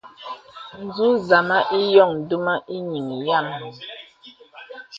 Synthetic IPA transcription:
n̩˨zu˦za˨ma˦ʔi˦jɔ˦˨ŋ˨du˦ma˦ʔi˦ɲi˨m˨ja˦˨mː˨

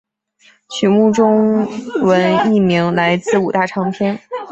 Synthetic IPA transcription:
ɕʰy˧˥mu˥˩ʈ͡ʂʊ˥ŋwə˧˥ni˥˩mi˧˥ŋla˧˥ɪt͡sɹ̩˥˩u˨˩t̪a˥˩ʈ͡ʂʰɑ˧˥ŋpʰjɛ˥n

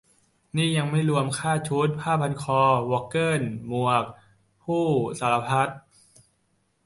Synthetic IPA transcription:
niː˥˩ja˧ŋma˥˩jɾu˧əmkʰaː˥˩t͡ɕʰuː˦˥t̪̚pʰaː˥˩pʰa˧nkʰɔː˧wɔː˧˥kːɤː˥˩nmu˨˩ək̚ | pʰuː˥˩saː˩˦la˧pʰa˦˥t̪̚

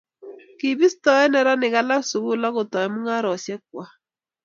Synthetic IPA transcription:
ki˨bi˦stɔ˨˦ɛ˦nɛ˨ɾa˦nɪ˨ɣa˦la˦su˨ɣu˦la˦ɣo˨tɔ˨ɛ˨mu˦ŋa˦ɾɔ˨sjɛ˦k̚wa˦

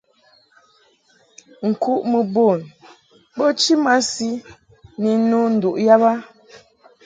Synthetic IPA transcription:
ŋ̩˨ku˦ʔmə˨bo˦˨n | bo˦t͡ʃi˦ma˦si˦ | ni˨˦nu˦n̩˨du˨ʔja˦ba˦

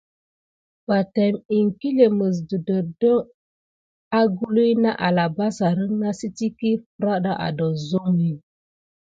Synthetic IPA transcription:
ba˨tɛ˨mi˨ŋki˦le˨mə˨s̬du˨də˨də˦ŋ | a˦ɡu˦lu˦jna˦ʔa˨la˨ba˦sa˨ɾə˦ŋna˦si˦ti˦ki˦fɾa˦ɗa˦ʔa̰˨dɔ˨zo˦ŋːi˨

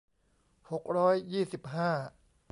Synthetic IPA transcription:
ho˨˩k̚ɾɔː˦˥jːiː˥˩si˨˩p̚ɦaː˥˩

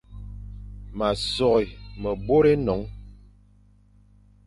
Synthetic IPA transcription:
ma˨sɔ˨ɣi˨mə˨bo˦ɾe˦nɔ˨˦ŋ

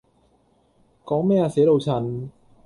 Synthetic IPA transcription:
kɔː˨˦ŋmɛː˥˧˩ʔa˧˩seː˨˦lo˧˩wt͡ɕʰa˧n

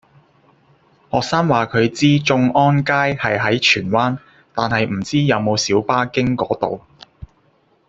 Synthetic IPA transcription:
hɔː˨k̚saː˥ŋwaː˨˩kʰɵ˨˧ɥt͡siː˥t͡ʃʊ˧ŋɔː˥nkaː˥jhɐ˨jɦɐ˨˥jt͡ʃʰyː˨˩nwaː˥n | t̪aː˨nhɐ˨jm̩˨˩t͡siː˥jɐ˨˧wmo˨˧wsiː˨˥wpaː˥kɪ˥ŋkɔ̰ː˨˥t̪o̰˨w

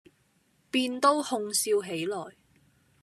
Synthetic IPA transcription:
piː˧nt̪o˥whʊ˧ŋsiː˧wɦe˨˥jlɔː˨˩j

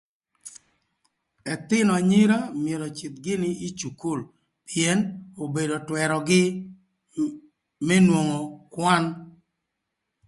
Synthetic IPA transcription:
ɛ˨t̪ɪ˦nɔ˨ɲɪ˦ɾa˦mɪ˨e˨ɾɔ˨t͡ʃɪ˨t̪̚ɡɪ˦nɪ˦i˦t͡ʃu˨ku˦˨l | piɛ˦no˨be˨do˨twɛ˨ɾɔ˨ɡɪ˦ | mɛ˦nwo˨ŋo˨kwa˦n

